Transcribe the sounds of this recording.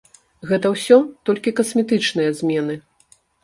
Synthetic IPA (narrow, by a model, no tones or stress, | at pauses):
ɣɛt̪ɐwsʲɔt̪ɔlʲkʲikɐsmʲɛt̪ɨt͡ʂnɨjɐzʲmʲɛnɨ